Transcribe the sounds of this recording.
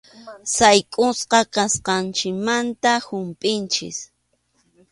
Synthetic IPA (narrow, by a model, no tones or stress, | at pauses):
sajkʼʊsqɑkasqɑnt͡ʃɪkmant̪ahʊmpʼɪnt͡ʃɪ̰s